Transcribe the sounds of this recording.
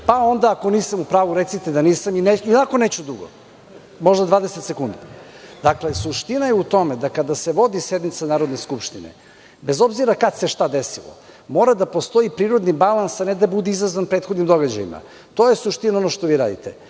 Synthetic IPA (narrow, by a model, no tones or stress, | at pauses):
pao̞nd̪aːko̞niːsamupɾaːʋuɾet̪sit̪ed̪aniːsamineinakonet͡ɕud̪ɾuɡo̰ | mo̞ʒd̪ad̪vaːd̪eset̪sekund̪i | d̪aklesuʃt̪inajeut̪o̞med̪akad̪aseʋo̞d̪ised̪mit̪sanaːɾo̞d̪neskupʃt̪inḛ | bezo̞bziɾakad̪seʃt̪ad̪esilˠo̰ | mo̞ːɾad̪apo̞st̪o̞ipɾiːɾo̞d̪nibalˠansaned̪abud̪ɛizazʋanpɾeːt̪xod̪nimd̪o̞ɡad͡ʑa̰jḭma̰ | t̪ojesuʃt̪inaonoʃt̪o̞ʋiːɾa̰ːd̪ḭt̪e